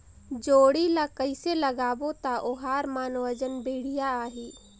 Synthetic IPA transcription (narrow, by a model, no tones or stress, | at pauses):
d͡ʒoːɽilakəɪseləɡaːbot̪aʔʊɦaːɾmaːnwəd͡ʒənbeːɽ̤ijaaːɦiː